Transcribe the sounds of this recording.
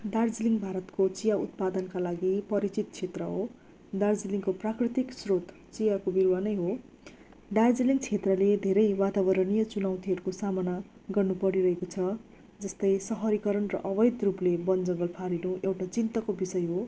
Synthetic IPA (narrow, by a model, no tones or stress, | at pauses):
ɖard͡ziliŋɡbʱaɾʌt̪kot͡sijaut̪̚pad̪ʌnkalaɡipʌɾit͡sit̪̚t͡sʰet̪rʌɦo | ɖard͡ziliŋkoprakrit̪iksrot̪ | t͡sijakobirwanʌjɦo | ɖard͡ziliŋɡt͡sʰet̪rʌled̪ʱeɾʌjwat̪abʌɾʌnijʌt͡sunaw̃t̪iɦʌɾukosamʌna | ɡʌrnupʌɾiɾʌɦekot͡sʰʌ | d͡zʌst̪ʌjsʌɦʌɾikʌɾʌnrʌ̰ʔʌbʌjd̪ruplebʌnd͡zʌɡʌlpʰaɾinuewʈat͡sint̪ʌkobisʌjɦo